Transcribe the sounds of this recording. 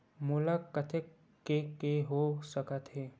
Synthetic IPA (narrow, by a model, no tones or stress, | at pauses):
mʊləkːət̪ʰe | kekeɦosəkət̪ɦɛː